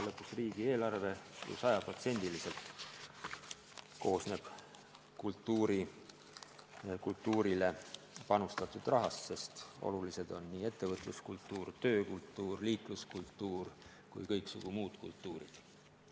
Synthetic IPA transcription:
lɤpːˑusriːɡ̥ie̞ːlɑrve̞jṵsɑjɑpro̞t̪se̞nʲd̪̥ilise̞lt̪ | ko̞ːsne̞b̥ | kult̪ːuːɾi | kult̪ːuːɾile̞ | pɑnust̪ɑt̪ːˑud̪̥rɑɦɑst̪se̞st̪o̞̰lulise̞d̪̥o̞nːiːe̞t̪ːe̞vɤt̪ˑluskult̪ːˑuːrt̪ø̞ːkult̪ːˑuːrliːk̪luskult̪ːuːr | kṵjkɤjksuɡ̥umuːd̪̥kṵlt̪ːuːɾḭd̪̥

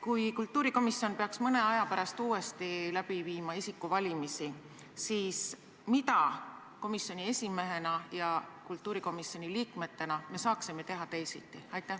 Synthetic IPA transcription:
kujkult̪ːuːɾiko̞misːio̞npe̞ɑksmɤne̞ɑjɑpæɾɑst̪uːe̞st̪ilæbiviːmɑisikːˑuvɑlʲimisi | siːs | mit̪ɑ | ko̞misjo̞nʲie̞sʲime̞ɦe̞nɑjɑkult̪ːˑuːɾiko̞misjo̞nʲiliːkme̞t̪ːe̞nɑme̞sɑːksime̞t̪e̞ɦɑt̪e̞jsḭt̪ːˑiɑjt̪ːˑæ

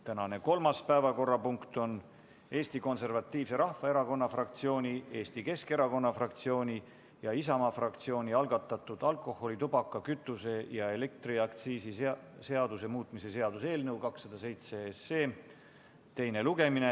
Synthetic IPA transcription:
t̪ænɑne̞ko̞lmɑspæevɑko̞rːɑpuŋkt̪o̞n | e̞ːst̪iko̞nse̞rvɑt̪ːiːvse̞ɾɑhvɑe̞ɾɑko̞nːɑfrɑk̚t̪sio̞ːnʲie̞ːst̪ike̞ske̞ɾɑko̞nːɑfrɑkt̪sio̞ːnʲi | jɑisɑmɑfrɑk̚t̪sio̞ːnʲiɑlɡ̥ɑt̪ːˑɑt̪ːˑud̪̥ɑlkˑo̞ho̞lit̪ubɑkːˑɑkyt̪ːˑuse̞jɑe̞le̞k̚t̪riɑkt̪siːsise̞ɑd̪̥use̞muːt̪ˑmise̞se̞ɑd̪̥useːlnɤwkɑksːɑd̪ɑse̞jt̪seesːe̞ː | t̪e̞jne̞luɡe̞mine

